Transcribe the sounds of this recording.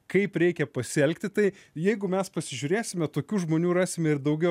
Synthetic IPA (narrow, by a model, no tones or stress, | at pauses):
kɐɪpɾʲɛɪkʲɛpɐsʲɪɛlʲkt̪ʲɪt̪ɐɪjɛɪɡʊmʲɛspɐsʲɪʒʲʊɾʲeːsʲɪmʲɛt̪oːkʲuːʒmoːnʲuːɾɑːsʲɪmʲɛɪɾd̪ɐʊɡʲɛʊ